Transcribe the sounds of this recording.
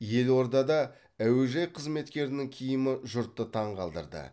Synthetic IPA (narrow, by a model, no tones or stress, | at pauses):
je̞lwo̞ɾd̪ɑd̪ɑ | æweʒɑjqʰəzme̞t̪kʲe̞ɾɪnɪŋkʲʰijɪmɪʒʊɾt̪ːət̪ʰɑɴqʰɑlˠd̪ə̰ɾd̪ə̰